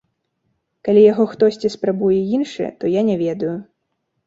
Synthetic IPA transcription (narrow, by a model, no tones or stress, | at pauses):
kalʲijaɣɔxt̪ɔsʲt͡sʲispɾabujɛjinʂɨjɛ̰t̪ɔjanʲɛvʲɛd̪ɐju